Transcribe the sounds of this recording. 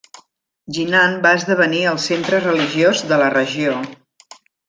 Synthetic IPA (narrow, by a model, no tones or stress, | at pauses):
ʒinanbaəzðəβ̞əniəlˠsent̪ɾərəliʒiozðələrəʒio